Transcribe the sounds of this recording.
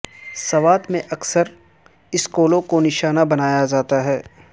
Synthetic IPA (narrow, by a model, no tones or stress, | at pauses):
sɐʋaːt̪mẽʔɐksəɾ | ɪskoːlõkonɪʃaːnabɐnaːjad͡ʒaːt̪aɦɛː